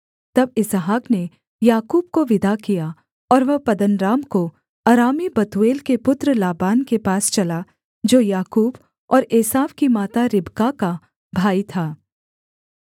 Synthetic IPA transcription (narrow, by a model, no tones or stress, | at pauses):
t̪ɐbɪsɦaːkne | jaːkuːbkoʋɪd̪ʱakija | ɔːɾʋɐpɐd̪ənɾaːmko | ɐɾaːmibɐt̪ueːlkepʊt̪ɾəlaːbaːnkepaːst͡ʃɐla | d͡ʒoːjaːkuːb | ɔːɾeːsaːʋkimaːt̪aɾɪbkaka | bʱaːit̪ʰaː